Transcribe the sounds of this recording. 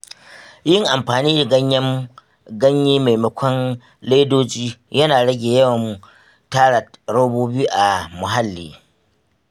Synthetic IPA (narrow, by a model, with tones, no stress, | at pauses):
jɪ˦ŋʔa˨mɸaː˨niː˦da˨ɡɐ˦ɲjɐ˦m | ɡɐ˦ɲjiː˦ma˨jmɐ˨kʷɔ˦n | le˦doː˦d͡ʒiː˦jɐ˦naː˨ɽɐ˦ɡʲeː˨jɐ˦wɐ˨mːu˨ | taː˦ɽa˨ɽoː˦boː˦biː˦ʔa˨mʊ˨ɦa˦lːḭː˨